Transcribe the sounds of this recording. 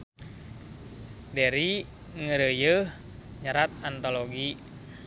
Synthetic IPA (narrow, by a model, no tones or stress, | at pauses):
dɛɾi | ŋəɾəjəh | ɲaɾat̪̚ant̪oloɡi